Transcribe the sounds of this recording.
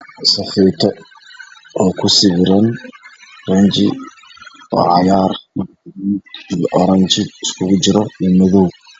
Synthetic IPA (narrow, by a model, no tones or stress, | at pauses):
sɐfiːt̪ʰɔ | ɔːkʰʊsɪβɪɾɐn | rɐnt͡ʃɪ̰ | wɑ̰ːʕɑjaːrmɐ | nid̪ijʔɔɾɐɲt͡ʃɪɪskʰʊɣʊt͡ʃɪɾɔimɔðɔw